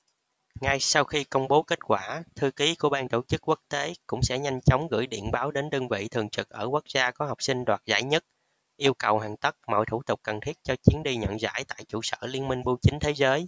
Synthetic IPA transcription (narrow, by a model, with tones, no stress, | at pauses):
ŋa˧jsa˧wxi˧kə˧wŋ͡mɓo˨˦ki˦˥t̚kwaː˧˩t̪ʰɨ˧ki˨˦ku˧˩əɓaː˧nt̪o˧˩t͡ɕɨ˦˥k̚ːwu˦˥k̚t̪e˨˦kʊ̰˧˥ŋ͡msɛ̰˧˥ɲa˧jŋ̟t͡ɕɔ˨˦wŋ͡mɣɨ̰˧˩əjɗḭ˧˨ənɓaː˨˦wɗe˨˦nɗəː˧ŋvḭ˧˨t̪ʰɨ˨˩əŋt͡ɕɨ˨˩k̚ʔəː˧˩kwa˦˥k̚zaː˧kɔ˨˦hɔ˨˩wk͡p̚sï˧ŋ̟ɗwaː˨˩t̚za̰ː˧˩jɲə˦˥t̚ | ʔi˧əwkə˨˩whaː˨˩ŋt̪ə˦˥t̚mɔ̰˧˨jt̪ʰu˧˩t̪ʊ˨˩k͡p̚kə˨˩nt̪ʰi˦˥ət̚t͡ɕɔ˧t͡ɕi˨˦ənɗi˧ɲə̰˧˨nza̰ː˧˥jt̪a̰ː˧˨jt͡ɕṵ˧˩sə̰ː˧˩li˧ənmï˧ŋ̟ɓu˧t͡ɕï˨˦ŋ̟t̪ʰe˨˦zəː˨˦j